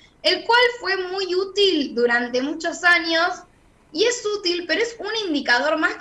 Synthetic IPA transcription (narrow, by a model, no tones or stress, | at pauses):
elkwalfwe̞mujut̪ild̪uɾant̪e̞mut͡ʃosaɲos | ie̞sut̪ilpeɾoesunind̪ikað̞o̞ɾmask